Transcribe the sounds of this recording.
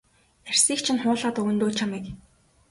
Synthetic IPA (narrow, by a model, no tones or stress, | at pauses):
ær̥ʲsiːkt͡ɕʰɪ̆nχʊːɮaːt̪ɵɣɵ̆nt̪oːɮt͡ɕʰamiːk